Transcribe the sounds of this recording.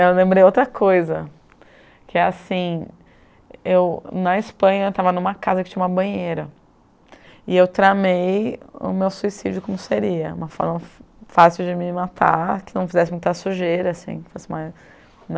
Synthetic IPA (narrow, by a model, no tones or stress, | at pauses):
ewlẽmbɾejowt̪ɾɐkʰojzɐ | kɪɛasĩ | ewnɐispɐ̃ɲɐewt̪avɐnũmɐkazɐkɪt͡ʃĩɲɐũmɐbɐ̃ɲejɾɐ | ɪewt̪ɾamejʊ̰mewsuisid͡ʒʊkõmʊseɾiɐṵ̃mɐfɔ̰ɾmɐ | fasiwd͡ʒɪmɪmat̪ʰa̰kɪnɐ̃w̃fizɛsɪmũt̪asuʒeɾɪasḭ̃fosɪma | n